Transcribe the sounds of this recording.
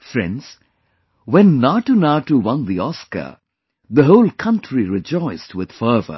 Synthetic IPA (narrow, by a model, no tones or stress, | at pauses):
fɾɛ̰̃nɖz̥ | wɛ̃nːaʈunaʈuwʌ̃nd̪iɔskə̰ | ðəɦoʊlˠkʰʌ̃nʈʰɾiɾɪd͡ʒɔɪstwɪd̪̥fəːvə̰